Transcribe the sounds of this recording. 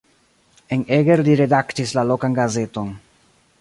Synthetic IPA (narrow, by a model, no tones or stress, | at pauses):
e̞neɡeɾliɾe̞daktislalo̞kanɡaze̞to̞n